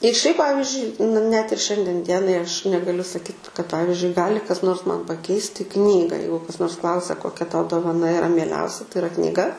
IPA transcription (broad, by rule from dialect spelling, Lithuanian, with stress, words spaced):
ɪr ʃʲɛɪp ˈpɑːʋʲɪzʲd͡ʒʲʊɪ n nʲɛt ɪr ˈʃʲɛnʲdʲiɛn ˈdʲiɛnɐɪ ɐʃ nʲɛɡɐˈlʲʊ sɐˈkʲiːt kɐt ˈpɑːʋʲɪzʲd͡ʒʲʊɪ ˈɡɑːlʲɪ kɐs noːrs mɐn pɐˈkʲɛɪsʲtʲɪ ˈknʲiːɡɐ ˈjɛɪɡʊ kɐs ˈnoːrs ˈklˠɐʊsʲɛ koːˈkʲɛ ˈtɐʊ doːʋɐˈnɐ ɪˈrɐ mʲiɛˈlʲɛʊsʲɛ tɐɪ ɪˈrɐ knʲiːˈɡɐ